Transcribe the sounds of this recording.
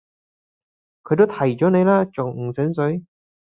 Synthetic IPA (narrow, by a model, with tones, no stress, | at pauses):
kʰɵ˧jt̪o˥t̪ʰɐ˨˩jt͡ʃɔː˨˥ne˨˧jlaː˥t͡ʃʊ˨ŋŋ̩˨˩sɪ˨˥ŋsɵ˨˥ɥ